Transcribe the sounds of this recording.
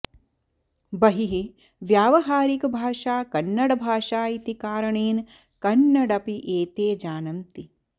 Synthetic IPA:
bɐɦiɦi | ʋjaːʋɐɦaːɾikɐbʱaːʂaːkɐnːɐɽɐbʱaːʂaːit̪ikaːɾɐɳeːn | kɐnːɐɽɐpiʔeːt̪eːd͡ʒaːnɐmt̪i

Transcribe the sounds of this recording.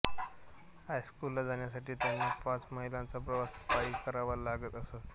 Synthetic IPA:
hajskulːad͡zaɳjasaʈiːt̪janːipãt͡sməɦilãnt͡sap̬ɾəʋaspaiːkəɾaʋəɾlaɡət̪əsət̪

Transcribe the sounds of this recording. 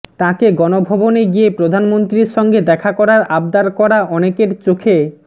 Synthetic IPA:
t̪ãkeɡɔnobʱɔboneɡiepɾod̪ʱanmont̪ɾiɾʃɔŋɡed̪ɛkʰakɔɾaɾabd̪aɾkɔɾaʔɔnekeɾt͡ɕokʰe

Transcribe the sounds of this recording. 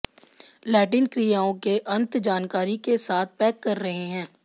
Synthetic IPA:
lɛːʈiːnkɾijaːõkeʔɐ̃nt̪d͡ʒaːnkaːɾikesaːt̪̚ʰpɛːkːɐɾːɐɦeɦɛ̃ː

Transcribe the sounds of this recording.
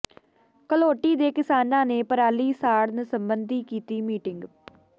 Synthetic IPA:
kəloːʈiːd̪eːkɪsaːnãːneːpəɾaːliːsaːɽnəsəmbənd̪iːkiːt̪iːmiːʈɪŋɡ

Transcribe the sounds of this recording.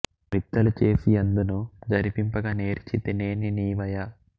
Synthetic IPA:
ɾit̪ːɐlut͡ʃe̞ːsijɐnd̪unud͡ʒɐɾipimpɐɡɐne̞ːɾt͡ʃit̪eneːniniːʋɐja

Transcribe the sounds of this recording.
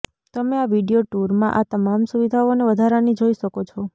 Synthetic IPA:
t̪əmeaʋiɖijoʈuɾmãʔat̪əmamsuʋid̪ʱaoneʋəd̪ʱaɾanid͡ʒoiʃəkot͡ʃʰɔ

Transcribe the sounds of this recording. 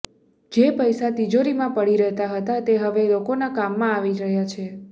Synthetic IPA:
d͡ʒepəjsat̪id͡ʒoɾimãpəɽiɾəɦt̪aɦət̪at̪eɦəʋelokonakamːãːʋiɾəɦjat͡ʃʰe

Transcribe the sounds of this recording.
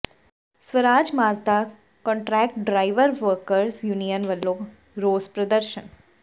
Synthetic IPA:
sʋəɾaːd͡ʒmaːzd̪aː | kɔ̃ɳʈɾɛːk̚ʈɖɾaːɪʋəɾʋəɾkəɾsjunijənʋɐlːoː | ɾoːzpɾɐd̪əɾʃə̰n

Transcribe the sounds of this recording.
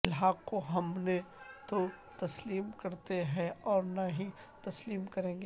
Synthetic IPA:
lɦaːkoɦɐmnet̪o | t̪ɐsliːmkɐɾt̪eɦɛ̃ɔːɾnaɦĩ | t̪ɐsliːmkɐɾẽːŋɡe

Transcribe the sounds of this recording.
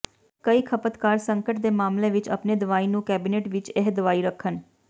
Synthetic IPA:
kəiːkʰəpət̪kaːɾsəŋkəʈd̪eːmaːmlẽːʋɪt͡ʃə̰pneːd̪ʊʋaːiːnũːkɛːbiːneːʈʋɪt͡ʃeɦd̪əʋaːiːɾəkʰːən

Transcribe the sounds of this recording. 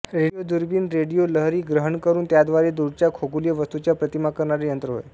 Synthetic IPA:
ɾeijod̪uɾbiːnɾeɽijoləɦɾiːɡɾəɦəɳkəɾuːnt̪jad̪ʋaɾed̪uɽt͡ɕjakʰoɡulijəʋəst̪ut͡ɕjapɾət̪imakəɾɳaɾejənt̪ɾəɦo̰j

